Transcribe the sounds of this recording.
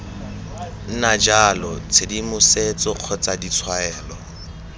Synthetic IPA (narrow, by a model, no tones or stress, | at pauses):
n̩nad͡ʒalɔt͡sʰedimʊset͡sʼɔq͡χʰɔt͡sʼadit͡sʰwaɛːlɔ